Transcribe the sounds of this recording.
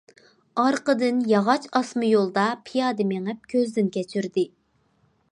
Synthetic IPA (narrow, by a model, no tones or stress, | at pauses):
ɑɾqəd̪ɨnjɑʁɑt͡ʃɑsmɨjolˠd̪ɑpʰijɑːd̪ɨmeŋɛp̚kʲʰøzd̪ɪnkʲɛt͡ʃʰyɾd̪ɪ